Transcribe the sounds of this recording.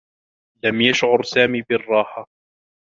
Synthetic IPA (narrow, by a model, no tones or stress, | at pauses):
lamjaʃʕʊɾˤsaːmiːbɪrˤːɑːħa